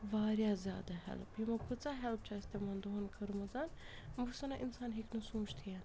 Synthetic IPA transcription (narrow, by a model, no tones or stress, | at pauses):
ʋaːɾjaːzʲja̰ːd̪aɦɛ̰lpjimɐkʰut͡saːɦɛlp̚t͡ʃʰast̪emɐnd̪oɦɐnkɐɾumɐzaːn | musɐnaʔinsaːnɦiknɐsũːt͡ʃt̪ʰian